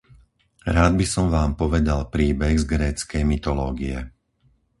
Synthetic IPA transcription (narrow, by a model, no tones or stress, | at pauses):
ɾaːd̪̚bisɔmʋaːmpɔʋɛd̪alpɾiːbɛɣzɡɾɛːt͡skɛjmit̪ɔlɔːɡiɛ